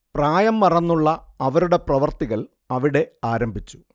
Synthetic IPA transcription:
praːjɐmːɐrɐnːuɭːɐːʋɐɾuɽe̞prɐʋɐrt̪iɣɐɭ | ɐʋiɽe̞aːɾɐmbʱit͡ɕːu̥

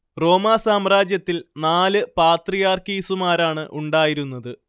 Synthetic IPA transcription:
ro̞ːmaːsaːmraːd͡ʑjɐt̪ːilnaːlɨpaːt̪rijaːrkiːsumaːɾaːɳɨʔuɳɖaːjiɾunːɐðɨ

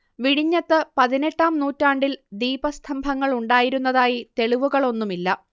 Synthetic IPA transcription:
ʋiɽiɲːɐt̪ːɨpɐðineʈːaːmnuːtːaːɳɖild̪iːbɐst̪ʰɐmbʱɐŋːɐɭuɳɖaːjiɾun̪ːɐðaːjit̪e̞ɭiʋuɣɐɭo̞nːumilːɐ

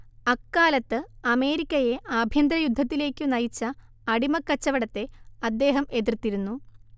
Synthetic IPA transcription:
ɐkːaːlɐt̪ːɨɐme̞ːɾikʲːɐje̞aːbʱjɐnd̪ɾɐjud̪ʱːɐt̪ːile̞ːkʲːɨnɐjit͡ɕːɐː | ɽimɐkːɐt͡ɕːɐʋɐɽɐt̪ːe̞ɐd̪ːe̞ːɦɐme̞ðirt̪ːiɾunːu

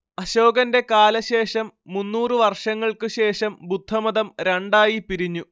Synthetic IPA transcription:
ɐɕo̞ːɡɐnde̞kaːlɐɕe̞ːʂɐmːunːuːrɨʋɐrʂɐŋːɐɭkɨɕe̞ːʂɐmbud̪ʱːɐmɐðɐmɾeɳɖaːjipiɾiɲːu

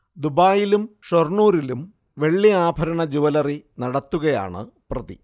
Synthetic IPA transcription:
d̪ubaːjilumʂorɳuːɾilum | ʋe̞ɭːiaːbʱɐɾɐɳɐd͡ʑuʋɐlɐrinɐɽɐt̪ːuɣɐja̰ːɳɨ̰prɐðḭ

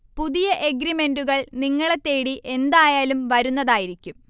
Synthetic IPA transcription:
puðijɐʔe̞ɡɾime̞nduɣɐɭniŋːɐɭe̞t̪ːe̞ːɽiʔe̞nd̪aːjaːlumʋɐɾunːɐðaːjiɾikʲːum

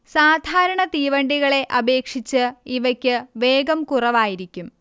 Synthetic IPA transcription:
saːd̪ʱaːɾɐɳɐt̪iːʋɐɳɖiɣɐɭe̞ʔɐbe̞ːkʂit͡ɕːɨiʋɐkʲːɨʋe̞ːɡɐmkurɐʋaːjiɾikʲːum

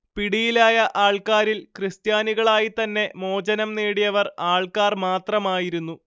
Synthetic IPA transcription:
piɽijilaːjɐʔaːɭkaːɾilkrɨst̪jaːniɣɐɭaːjit̪ɐnːe̞mo̞ːd͡ʑɐnɐmneːɽijɐʋɐraːɭkaːrmaːt̪rɐmaːjiɾunːu

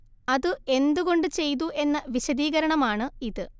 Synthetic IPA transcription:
ɐðɨe̞nd̪uɣo̞ɳɖɨt͡ɕe̞jt̪̬uʔe̞nːɐʋiɕɐðiːɣɐɾɐɳɐmaːɳɨiðɨ

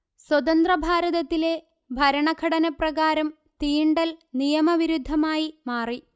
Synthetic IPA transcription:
swɐt̪ɐnd̪rɐbʱaːɾɐðɐt̪ːile̞ | bʱɐɾɐɳɐɡʰʱɐɽɐnɐprɐɣaːɾɐm | t̪iːɳɖɐlnijɐmɐʋiɾud̪ʱːɐmaːjimaːri

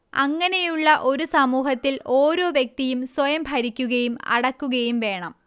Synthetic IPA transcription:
ɐ̰ŋːɐne̞juɭːɐʔo̞ɾusɐmuːɦɐt̪ːilʔo̞ːɾo̞ːʋjɐk̚t̪ijumswɐjɐmbʱɐɾikʲːuɣɐjumɐ̰ɽɐkːuɣɐjumʋe̞ːɳɐm

